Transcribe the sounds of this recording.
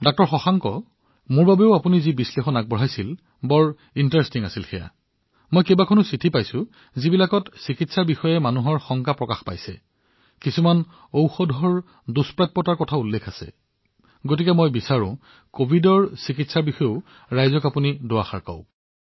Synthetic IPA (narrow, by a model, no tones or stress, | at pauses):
dɔk̚tɔɹxɔxaŋkɔ̰ | mʊɹbabeʊapunizibislexɔnak̚bɔɹɦajsil | bɔɹ | intɹestiŋasilxɛja̰ | mojkebakʰonʊsitʰipajsʊ | zibilakɔtsikitsaɹbixɔjɛmanuɦɔɹxɔŋkapɹɔkaxpa̰jsɛ̰ | kisuman | owxɔdʱɔɹ | duspɹajt̚pɔtaɹkɔtʰaulːekʰasɛ̰ | ɡot̬ikɛmojbisaɹʊ̰̃ | kobʱidɔɹsikitsaɹbixɔjo | ɹajzɔkapunidoaxa̰ɹkɔ̰ʊ̃